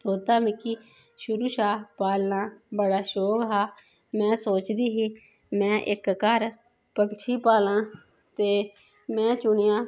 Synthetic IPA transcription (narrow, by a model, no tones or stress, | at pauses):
oːt̪aːmikiː | ʃʊɾuːʃaːpaːlnãːbəɽaːʃoːkɦaː | mɛ̃ːsoːt͡ʃd̪iːɦiː | mɛ̃ːʔɪkːəɾ | pəkt͡ʃʰiːpaːlãː | t̪eː | mɛ̃ːt͡ʃʊɳɪjãː